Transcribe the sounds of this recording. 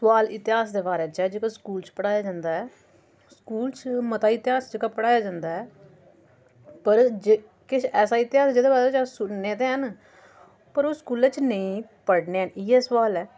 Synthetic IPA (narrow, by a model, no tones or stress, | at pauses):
sʊʋaːlɪt̪ɪɦaːsd̪eːbaːɾeːt͡ʃɛːd͡ʒeːkãskuːlt͡ʃpəɽaːjaːd͡ʒãːnd̪aːɛː | skuːlt͡ʃmət̪aːɪt̪ɪaːsd͡ʒeːkaːpəɽaːjaːd͡ʒãːnd̪aːɛː | pəɾd͡ʒe | kɪʃɛːsaːɪt̪ɪɦaːsd͡ʒeːd̪eːbaːɾt͡ʃasʊnneːt̪eːɦən | pəɾoːskuːlɛt͡ʃnəĩːpəɽneːɦənɪːɛːsʋaːlɛː